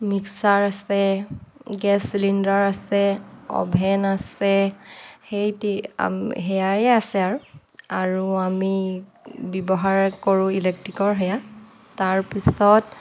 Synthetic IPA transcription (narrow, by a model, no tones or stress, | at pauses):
miksaɹasɛ | ɡɛsilindɔɹasɛɔ̰bʱɛnasɛ | hejtia̰mɦɛjaɹɛasɛaɹu | aɹuami | bɔbɔɦaɹkoɹʊ̃ilɛk̚tɹikɔɹɦɛja | taɹpisɔt